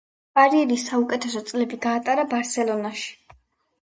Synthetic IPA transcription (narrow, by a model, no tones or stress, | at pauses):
b̥aɾiɛɾisːaukʼɛt̪ʰɛsɔt̪sʼlɛbiɡaːt̪ʼaɾabaɾsɛlˠɔnaʃi̥